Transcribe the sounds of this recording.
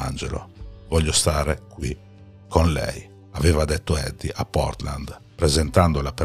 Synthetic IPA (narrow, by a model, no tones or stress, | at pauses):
a̰nd͡ʒḛlo̰vɔʎːost̪aːɾekwi | kʰonlɛ̰j | avɛːvad̪ɛt̪ːoɛd̪ːiʔapːɔ̰rt̪la̰nd̪ | pɾɛzent̪and̪olape